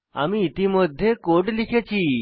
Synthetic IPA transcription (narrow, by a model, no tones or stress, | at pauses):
a̰miːt̪iməd̪ʱːjekoʈlikʰet͡ʃʰi